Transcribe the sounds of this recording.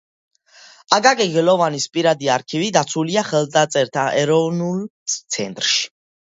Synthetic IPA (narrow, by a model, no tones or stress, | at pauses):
aɡaɡʼɛɡɛlɔvanispʼiɾad̪iaɾkʰivid̪at̪sʰuliaχɛld̪at̪sʼɛɾt̪ʰaʔɛɾɔvnult̪sʰɛnt̪ʼɾʃi̥